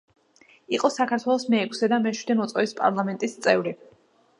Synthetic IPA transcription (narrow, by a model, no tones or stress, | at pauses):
iqʼɔsakʰaɾt̪ʰwɛlˠɔsmɛːkʰsɛd̪amɛʃwid̪ɛmɔt̪sʼɔvispʼa̰ɾlˠamɛnt̪ʼist̪sʼɛvɾi